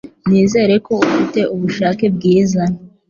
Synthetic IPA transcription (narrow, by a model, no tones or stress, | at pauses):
niːze̞ɾe̞ko̞ufite̞ʔuβuʃaːke̞bɡiːza